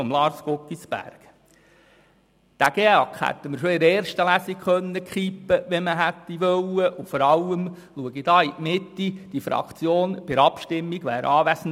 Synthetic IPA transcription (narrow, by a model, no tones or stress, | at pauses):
ɔmlɑːɾskokːisbæ̰ɾɡ̥ | d̪̥æɡ̥eːɑkhæ̰t̪ːəməɾʃoɪɾɛːɾʃtəlæsikχœnːəkχipːəʋɛməɦæt̪ːiʋœlːəʔʊfɔɾɑlːəm | luəɡid̥̪ɑːiʔmɪt̪ːid̥ifɾɑ̰kʰt͡sjoːnpɪɾɑpʃtɪmːiɡʋæ̰ːɾɑːʋæsn̩